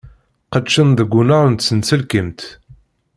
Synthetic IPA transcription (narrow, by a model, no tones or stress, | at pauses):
qəʃənðəɡʷːunaɾˤnt̪sənt͡səlkəmt̪